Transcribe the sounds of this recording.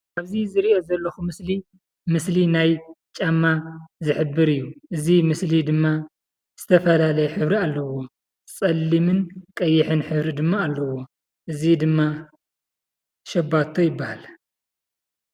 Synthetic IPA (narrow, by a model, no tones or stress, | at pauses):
ʔaβzizɨɾiʔo̞zɐlːɐxumɨsli | mɨslinajt͡ʃʼamːazɨħɨbːɨɾɨjːuʔɨzimɨslid̪ɨmːa | z̥ɨt̪ʰɐfɐlalɐjħɨβɾialːɐwo̞ | t͡sʼɐlːimɨnkʼɐjːɪħɨnħɨβɾid̪ɨmːaːlːɐwo̞ | ʔɨzid̪ɨmːa | ʃɐbat̪ʰojɪbːahal